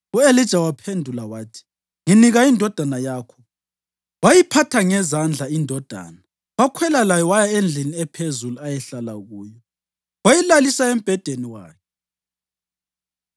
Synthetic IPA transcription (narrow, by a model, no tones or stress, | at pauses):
uelid̥ʒ̥ʱawapʰendʱulawaːtʰi̥ | ŋiniɣaindʱɔd̥ʱanajaːkʰɔ̥ | wajipʰatʰaŋɛzand͡ɮʱaindʱɔd̥ʱa̰ːna | wakʰwɛlalajɔwajaend͡ɮʱiniɛpʰezuluajɛɬalaɣuːjɔ | wajilalisaem̩b̥ʱɛd̥ʱeniwa̰ːkʰɛ